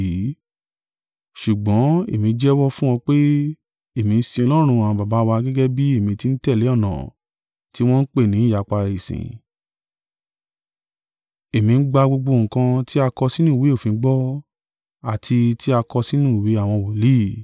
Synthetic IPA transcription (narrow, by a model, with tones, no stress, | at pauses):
i˨˦ | ʃu˨ɡ͡bɔ̃˨˦ḛ˨mĩ˧˦d͡ʒɛ˦wɔ˦fũ˦w̃ɔ̃˧k͡pe˦ | e˨mĩ˧n̩˦sĩ˧ɔ˧lɔ˦ɾ̃ũ˧a˨ã˧ba˨ba˨˦˧wa˧ɡɛ˦ɡɛ˦bi˦e˦˨mĩ˧ti˧n̩˦tɛ˦˨le˨˦ɔ˦˨nã̰˨ | ti˦w̃ɔ̃˦n̩˦k͡pe˦˨nĩ˨˦˨ja˨k͡pa˧i˨sḭ̃˨ | e˨mĩ˧n̩˦ɡ͡ba˧ɡ͡bo˧ɡ͡bo˧˨ŋ̩˨kã˧ti˦a˧kɔ˧si˦nũ˦˨we˨˦o˦˨fĩ˨˧˦ɡ͡bɔ˦ | a˨tʰi˧ti˦a˧kɔ˧si˦nũ˦˨we˨˦a˦˨w̃ɔ̃˧˨wo˨li˦˨